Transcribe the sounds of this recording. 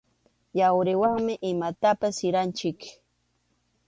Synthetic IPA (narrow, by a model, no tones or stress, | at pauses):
jawɾɪwaŋmɪʔɪmat̪apasɪɾant͡ʃɪk